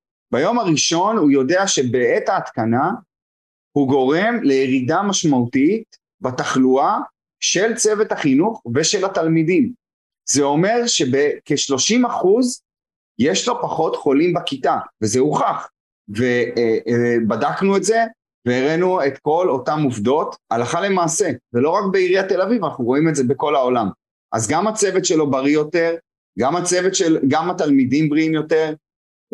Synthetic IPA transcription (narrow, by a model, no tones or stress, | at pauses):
bajo̞maʁiʃo̞nhujo̞deaʃe̞be̞etaːt̪kana | huɡo̞ʁe̞mle̞jeʁidamaʃmautit | bataχlua | ʃe̞lt͡se̞vetaχinuχve̞ʃe̞latalmidim | zeo̞me̞ʁʃe̞bekeʃlo̞ʃimaχuz | jeʃlo̞paχo̞tχo̞limbakitavezeuχaχ | ve | badaknuetze̞ | veːʁenue̞tko̞lo̞tamuvdo̞talaχale̞maːse̞velo̞ʁakbeiʁiate̞lavivanaχnuʁo̞imetzebeko̞lao̞lam | ʔa̰zɡamat͡se̞vet̪ʃe̞lo̞baʁijo̞te̞ʁ | ɡamat͡se̞vetʃelɡamatalmidimbʁiimjo̞te̞ʁ